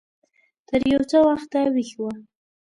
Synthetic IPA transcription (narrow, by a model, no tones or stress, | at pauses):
t̪əɾjawt͡səwaxt̪awixwa